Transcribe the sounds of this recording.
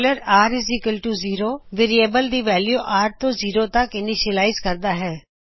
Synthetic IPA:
ləɾaːɾɪzɪkəlʈuːziːɾoːʋeɾieːbəld̪iːʋɛːljuːʔaːɾt̪õːziːɾoːt̪ɐkɪniʃəlaːɪzkəɾd̪aːɦɛː

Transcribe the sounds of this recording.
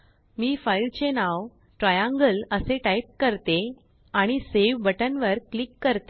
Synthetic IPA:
miːfailt͡ɕenaʋ | ʈɾajãŋɡələseʈaip̚kəɾt̪e | aɽ̃iseʋbəʈənʋəɾklikːəɾt̪e

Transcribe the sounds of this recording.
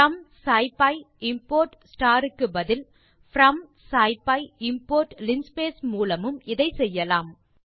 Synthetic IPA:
ɐmsaːɪpɐɪ | ɪmpoːɾʈsʈaːɾɯkːɯbɐðɪl | fɾɐmsaːɪpːɐɪɪmpoːɾʈlɪnspeːsmuːlɐmɯmɪðɐɪsɛjːɐlaːm

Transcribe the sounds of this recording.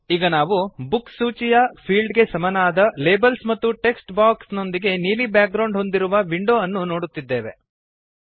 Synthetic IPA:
iːɡɐnaːʋubuksuːt͡ʃijɐpʰiːɭɖɡe̞sɐmɐnaːd̪ɐleːbɐlsmɐt̪ːuʈe̞ksʈbaːksno̞nd̪iɡe̞niːlibjaːk̚ɡɾɐwɳɖɦo̞nd̪iɾuʋɐʋiɳɖo̞ːɐnːuno̞ːɽut̪ːid̪ːe̞ːʋe̞

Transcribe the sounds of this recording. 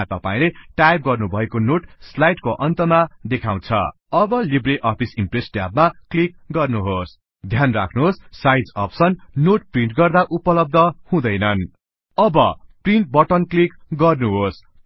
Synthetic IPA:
t̪ʌpaĩleʈajp̚ɡʌrnubʱʌekonoʈslajʈkoʔʌnt̪ʌmad̪ekʰaw̃t͡sʰʌ̰ | ʌbʌlibreʔʌpʰisimpresʈja̰bmaklik̚ | ɡʌrnuɦos | d̪ʱjanra̰kʰnuɦossajd͡zʌ̰psʌnːoʈ̚priɳʈɡʌrd̪aʔupʌlʌb̚d̪ʱʌhũd̪ʌjnʌn | ʌbʌpriɳʈ̚bʌʈʌnklikɡʌrnuɦos

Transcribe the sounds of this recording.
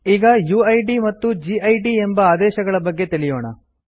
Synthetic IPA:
iːɡɐjuːɐjɖimɐt̪ːud͡ʒiɐjɖiembɐaːd̪ɛːʃɐɡɐɭɐbɐɡːe̞t̪iɭijoːɳɐ

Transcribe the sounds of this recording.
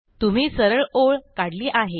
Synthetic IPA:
t̪um̤iːsəɾəɭoɭkaɽliːʔaɦe

